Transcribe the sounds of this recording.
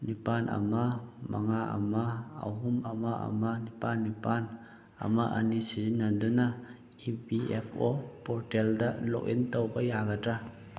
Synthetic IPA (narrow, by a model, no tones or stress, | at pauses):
nipanʔɐ̰mamaŋaa̰maa̰ɦumamaʔa̰manipanːipan | a̰maʔa̰nisizinːand̪una | ibiɛpʰɔpɔɾtɛldalɔ̰k̚int̪ɔwbajaɡata